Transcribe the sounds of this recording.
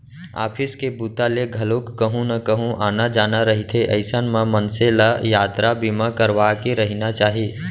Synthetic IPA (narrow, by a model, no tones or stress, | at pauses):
a̰ːpʰɪskebuːt̪aleɡʱɐlokːəɦũnɐkəɦũʔaːnad͡ʒaːnaɾəɦit̪ʰeʔə̰ɪsənmãmənselajaːt̪ɾabimãkəɾʋaːkeɾəɦinat͡ʃaːɦiː